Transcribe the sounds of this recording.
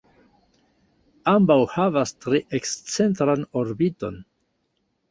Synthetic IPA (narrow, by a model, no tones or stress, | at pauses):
ambawhavastɾeʔekst͡se̞ntɾano̞ɾbito̞̰n